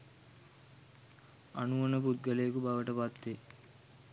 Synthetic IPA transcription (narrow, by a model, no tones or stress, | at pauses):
anuʋɐnəput̪̚ɡəlejkubaʋəʈəpat̪ːe